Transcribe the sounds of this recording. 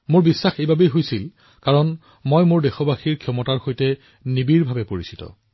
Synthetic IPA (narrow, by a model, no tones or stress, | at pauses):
mʊɹbisːaxejbʱabejɦojsil | kaɹɔn | mojmʊɹdexɔbaxiɹkʰjɔmɔtaɹxojtɛ | nibiɹbʱabɛpoɹisi̥tɔ̰